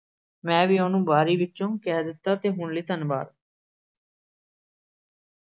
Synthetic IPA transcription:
mɛ̃ːʋiːoːnũːbaːɾiːʋɪt͡ʃːt͡ʃõːkɛːd̪ɪt̪ːaːt̪eːɦʊɳliːt̪ənba̰ːɾ

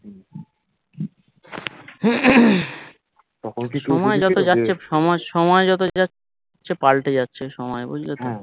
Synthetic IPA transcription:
ʃɔmɔed͡ʑɔt̪od͡ʑatːɕʰeʃɔmɔʃɔmɔed͡ʑɔt̪̬oa | ɕʰepalʈed͡ʑatːɕʰeʃɔmɔebṵd͡ʑʱleto

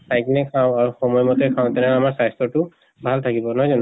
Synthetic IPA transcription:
sajknɛkʰãʊ̃aɹuxɔmɔjmɔtɛkʰãw̃t̪ɛnɛamaɹsajstɔtʊ | bʱalt̪ʰakibɔnɔɦzɔn

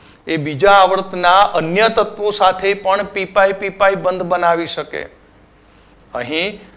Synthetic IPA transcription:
ebid͡ʒaːʋəɾt̪ʰnaʔənjət̪ət̪ʋosat̪ʰepəɳpipaipipaibənd̪bənaʋiʃəkḛ | ə̰ɦĩ

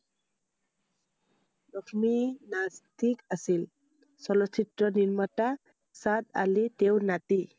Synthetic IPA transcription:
lɔkʰminast̪ikasil | sɔlɔsitɾɔniɹmata | sad̪a̰litewnat̪i

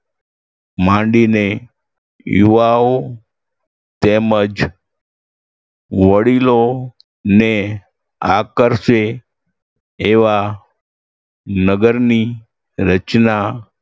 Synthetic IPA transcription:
mãɳɖine | juʋao | t̪eməd͡ʒ | ʋəɽilo | ne | akəɾʃe | eʋa | nəɡəɾni | ɾət͡ʃna

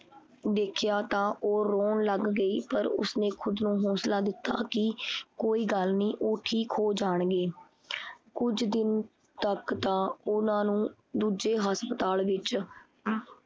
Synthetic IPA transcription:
d̪eːkʰjaːt̪ãːʔoːɾoːnləɡːəiːpəɾʊ̰snẽːkʰʊd̪nũːɦoːslaːd̪ɪt̪ːa̰ːkɪkoːiːɡəlnĩːʔoːʈʰiːkɦoːd͡ʒaːɳɡeː | kʊd͡ʒd̪ɪn | t̪əkt̪ãːʊnãːnũː | d̪uːd͡ʒeːɦəspət̪aːlʋɪt͡ʃ

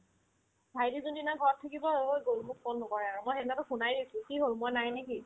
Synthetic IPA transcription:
bʱajdizondinɔjɡʱɔɹɔtʰːakibɔojɡoɹumuk̚pɔnːɔkɔɹɛaɹumojxɛtnatʊxunajdisʊ̃kiɦoɹũmɔjnajneki

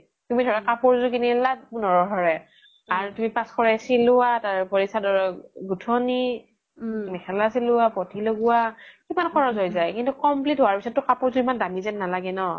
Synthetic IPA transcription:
tumidʱɔɹɛkapʊɹzʊk̬iniɛlat̚bunɔɹɔɦɔɹɛ | aɹutumipaskɔɹɛsilʊwataɹpɔɹisadɔɹɔɡutʰɔni | mɛkʰɛlasilʊapɔtiloɡʊwakimankʰɔɹɔzɔjzajkintukɔmplitɦowaɹpisɔt̚ːʊkapʊɹzuimandamizɛnnalaɡɛnɔ

